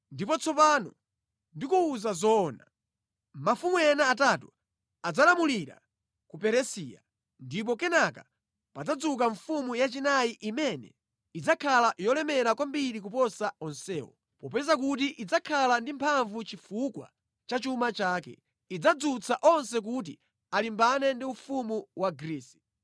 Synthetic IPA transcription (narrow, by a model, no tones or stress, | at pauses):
ndipɔt͡sʰɔpanɔ | ndikuːzazɔːna | mafumuɛnaːtatu | ad͡zalamuliɾa̰ | kupɛɾɛsia̰ | ndip̬ɔkɛnaka | pad͡zad͡zuk̬aɱfumujat͡ʃinaiʔimɛnɛ̰ | id͡zakʰalajɔlɛmɛɾakwambiɾik̬upɔsaɔnsɛːwɔ̰ | pɔpɛzak̬ut̬iʔid͡zakʰalandimpʰaɱvut͡ʃifukwa̰ | t͡ʃat͡ʃumat͡ʃaːkɛ̰ | id͡zad͡zut͡sʰaʔɔnsɛk̬ut̬ḭ | alimbanɛndiufumuwaɡɾiːsi̥